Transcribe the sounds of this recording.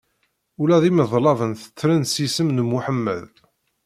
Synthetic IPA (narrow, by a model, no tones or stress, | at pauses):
ulæðiməðˤlɑvənθə̥t͡sːɾənsisəmnəmuħəmːə̰ð